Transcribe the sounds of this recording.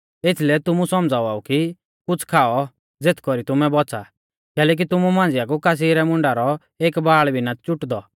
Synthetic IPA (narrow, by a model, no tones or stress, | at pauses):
et̪ʰlɛt̪ʊmusɔmd͡zaːuaːuki | kʊt͡sʰkʰaːɔ | d͡zet̪ʰkɔɾit̪ʊmɛbɔt͡sa | kɛːlɛːk̬it̪ʊmumãːnd͡zɪjakukas̬iːɾɛmʊ̃ɳɖaɾɔ | eːkbaːɭbʱinat͡ʃʊʈd̪ɔ